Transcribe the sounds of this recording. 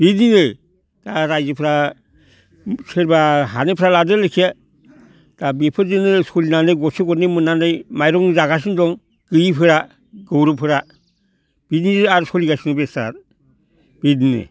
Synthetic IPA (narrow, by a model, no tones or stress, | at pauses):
b̥idninɯj | d̥aɾajzɯpʰɯɾa | sʰeɾbaɦanepʰɾaladɯlekʰia | d̥abipʰɯɾzɯnɯsɔlinanɯjɡɔseɡɔnemɯnanɯjmajɾɔŋzaɡas̬indɔŋ | ɡ̥ɯjipʰɯɾa | ɡ̥ɯwɾɯpʰɯɾa | b̥idniaɾsɔliɡajsinɯbesa̰t̚ | b̥idninɯ̰